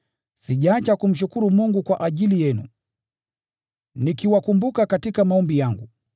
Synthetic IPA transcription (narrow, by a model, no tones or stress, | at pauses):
siʄaːt͡ʃakum̩ʃ̬ukuɾumuŋɡukwaʔaʄilijɛnṵ | nikiwakumbukakatikamaɔmbijaŋɡu